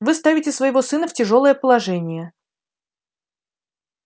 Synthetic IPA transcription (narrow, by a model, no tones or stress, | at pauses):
vɨst̪avʲɪtʲɪsvəjɪvo̞sɨnəftʲɪʐo̞lˠəjəpəlˠɐʐɛnʲɪjə